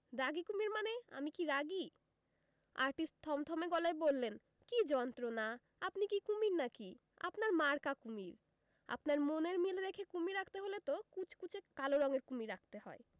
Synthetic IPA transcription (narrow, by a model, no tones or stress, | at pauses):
ɾaɡikumiɾmanea̰mikiɾaɡi | a̰ɾʈisʈ̚t̪ʰːɔmt̪ʰɔmeɡɔlaebolːen | kid͡ʑɔnt̪ɾona | apnikikumiɾnaki | a̰pnaɾmaɾkakumiɾ | a̰pnaɾmoneɾmileɾekʰekumiɾakʰt̪eɦolet̪okut͡ɕʰkut͡ɕʰekaloɾɔŋeɾkumiɾak̚ʰt̪ehɔ̰e